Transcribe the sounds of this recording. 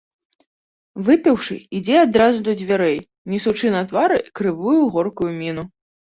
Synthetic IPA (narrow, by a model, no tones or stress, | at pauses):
vɨpʲɐwʂɨ̰id͡zʲɛad̪ɾazud̪ɐd͡zʲvʲaɾɛj | nʲisut͡ʂɨnɐt̪vaɾɨkɾɨvujuɣɔrkujumʲinu